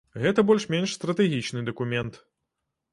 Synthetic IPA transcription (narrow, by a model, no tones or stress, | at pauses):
ɣɛt̪ɐbɔlʲʂmʲenʲʂst̪ɾɐt̪ɛɣʲit͡ʂnɨd̪ɐkumʲɛnt̪